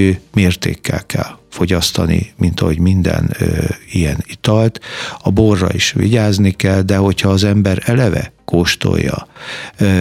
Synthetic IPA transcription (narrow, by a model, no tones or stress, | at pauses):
øːmeːrt̪eːkːɛlkʰɛlfo̞ɟɒst̪ɒnimint̪ɒɦo̞ɟmind̪ɛ̰nijɛnit̪ɒlt̪ɒborːɒ̰iʃʋḭɟaːznikɛld̪ɛɦo̞chɒːzɛmbɛɾɛlɛvɛ̰koʃt̪o̰jːɒ